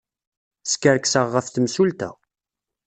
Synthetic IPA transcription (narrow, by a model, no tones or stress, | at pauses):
skəɾksəʁːəfθəmsult̪æ̰